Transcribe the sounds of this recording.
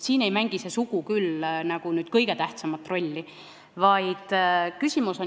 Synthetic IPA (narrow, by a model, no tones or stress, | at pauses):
siːne̞jmæŋɡ̥ise̞suɡukylnɑɡ̥unyːd̪̥kɤjɡe̞t̪æht̪sɑmɑt̪ːˑro̞lʲːi | vɑjd̪̥kysʲimuso̞